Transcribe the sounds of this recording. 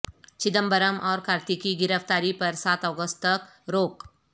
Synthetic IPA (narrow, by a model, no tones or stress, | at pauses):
t͡ʃɪd̪əmbəɾəmʔɔːɾkʰaːɾt̪ikiɡɪɾəft̪aːɾipɐɾsaːt̪ɔːɡəst̪t̪ɐk | ɾoːk